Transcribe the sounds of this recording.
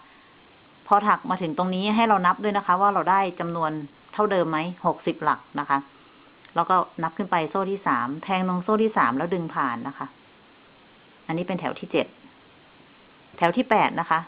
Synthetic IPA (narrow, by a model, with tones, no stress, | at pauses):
pʰɔː˧t̪ʰa˨˩k̚maː˧t̪ʰɯ˩˦ŋt̪o˧ŋniː˦˥ɦa˥˩jɾa˧wna˦˥p̚du˥˩əjna˦˥kʰa˦˥waː˥˩ɾa˧wdaː˥˩jt͡ɕa˧mnu˧ən | t̪ʰa˥˩wdɤː˧mːa˦˥jho˨˩k̚si˨˩p̚la˨˩k̚na˦˥kʰa˦˥ | lɛː˦˥wkɔː˥˩na˦˥p̚kʰɯ˥˩npa˧jsoː˥˩t̪ʰiː˥˩saː˩˦mt̪ʰɛː˧ŋnɔ˧ŋsoː˥˩t̪ʰiː˥˩saː˩˦mlɛː˦˥wdɯ˧ŋpʰaː˨˩nːa˦˥kʰa˦˥ʔ | ʔa˧nːiː˦˥pe˧nt̪ʰɛ̰ː˩˦wt̪ʰiː˥˩t͡ɕe˨˩t̪̚ | ɛ˩˦wt̪ʰiː˥˩pɛː˨˩t̪̚na˦˥kʰa˦˥ʔ